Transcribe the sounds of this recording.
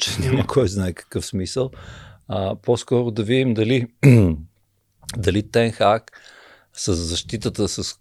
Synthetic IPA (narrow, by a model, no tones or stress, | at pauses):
t͡ʃɛnʲaməkʰɔjznaɛkə̥kɤfsmisəlˠəposkɔɾʊd̪ɐvid̪imd̪ɐli | d̪ɐlit̪ɛnxak | səzːɐʃt̪it̪ət̪əsəs